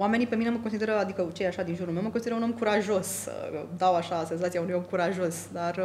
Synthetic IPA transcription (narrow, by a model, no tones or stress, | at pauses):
wame̞nipemineməkonsid̪e̞ɾəad̪ikət͡ʃejeaʃad̪inʒuɾulmewməkonsid̪eɾəuno̞mkuɾaʒo̞sd̪awaʃase̞nzat̪siaunujo̞mkuɾaʒosd̪ar